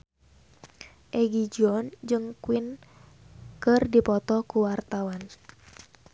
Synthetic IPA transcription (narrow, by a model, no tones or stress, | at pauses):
ʔɛɡid͡ʒɔnd͡ʒɨŋkwɪn | kɨrdipɔt̪ɔkuwart̪awan